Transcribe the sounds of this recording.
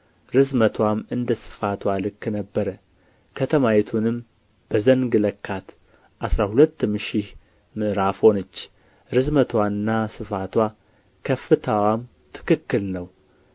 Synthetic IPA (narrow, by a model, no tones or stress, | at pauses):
ɾɨzmət̪ʰwamɨnd̪əsɨ̥fat̪ʰwalɨkːnəbːəɾə | kʰət̪ʰəmajɛt̪ʰunɨm | b̥əzəŋɡləkʰːat̪ | ʔasɾahulət̪ːmɨʃih | mɨʔɾafho̞nət͡ʃː | ɾɨzmət̪ʰwaɨnːasɨfat̪wa | kʰəfɨt̪ʰəwam | t̪ʰɨ̥kɨkːɨlnəw